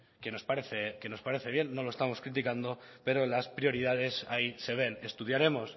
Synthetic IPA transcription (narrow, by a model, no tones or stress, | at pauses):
ke̞no̞spaɾeθeke̞no̞spaɾe̞θe̞βje̞nːo̞lo̞est̪amo̞skɾit̪̬ikand̪o̞pe̞ɾo̞laspɾjo̞ɾið̞að̞e̞saise̞β̞e̞ne̞st̪uðjaɾe̞mo̞s